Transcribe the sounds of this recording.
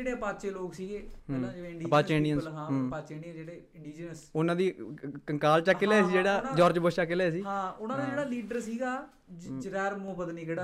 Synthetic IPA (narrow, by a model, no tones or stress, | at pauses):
eːɽeːpaːt͡ʃeːloːksiːɡeːɦãːd͡ʒeẽɪɳɖipaːt͡ʃeɪɳɖiənsɦãːɦpaːt͡ʃeːɳɖijə̃d͡ʒeːɽeːɪɳɖiːd͡ʒnəsʊnãːd̪iːkəŋkaːlt͡ʃaːkːellaːesiːd͡ʒeːɽaːd͡ʒɔːɾd͡ʒboːst͡ʃakelaːsiːɦãːʊnãːd̪aːd͡ʒeːɽaːliːɖəɾsiːɡaː | d͡ʒɾɛːɾmõːpəd̪niːkeɽaː